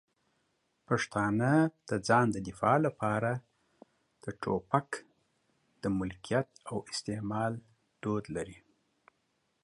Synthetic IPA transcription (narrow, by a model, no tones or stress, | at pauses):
paʂt̪ɑnəd̪̥əd͡zɑnd̪əd̪ɪfɑlapɑɾa | d̪̥əʈʰo̰pak | d̪̥əmʊlkijat̪̚awɪst̪emɑl | d̪̥od̪laɾi